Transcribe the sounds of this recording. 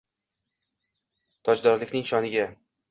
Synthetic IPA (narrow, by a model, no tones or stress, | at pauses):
t̪ʰɒd͡ʒd̪ɒɾlɪkʲnɪŋʃɒnɪɡʲa